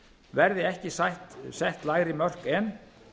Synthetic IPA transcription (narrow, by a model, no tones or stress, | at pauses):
vɛɾðɪɛhcɪsajht̪sɛht̪laːjɣɾɪmœr̥kɛn